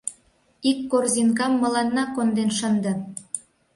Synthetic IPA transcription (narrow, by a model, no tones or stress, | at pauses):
ikːorzinkɑmːɤ̆lɑnːɑkond̪enʃənd̪ə̆